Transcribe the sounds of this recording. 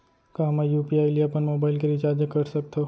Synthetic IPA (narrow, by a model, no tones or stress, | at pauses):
kaɦɐmajuːpiaːɪliɐpənmoːbaːɪlkeɾɪt͡ʃaːd͡ʒɐkɐɾsɐk̚t̪ʰo